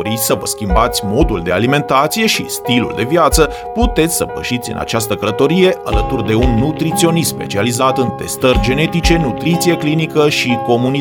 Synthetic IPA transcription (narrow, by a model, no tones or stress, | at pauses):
ɾit̪ʲsəvəskʲimbat̪sʲmo̞d̪uld̪e̞a̰lime̞nt̪at̪sije̞ʃist̪ilṵld̪e̞vjat̪sə | put̪e̞t̪sʲsəbə̰ʃit̪sʲɨ̰nʔa̰t͡ʃast̪əkələt̪o̞ɾije̞ʔa̰lət̪urd̪e̞unːut̪ɾit̪sio̞nispe̞̰t͡ʃializat̪ɨnt̪e̞st̪ərʲd͡ʒe̞ne̞t̪it͡ʃe̞nut̪ɾit̪sije̞klinikəʃiko̞muni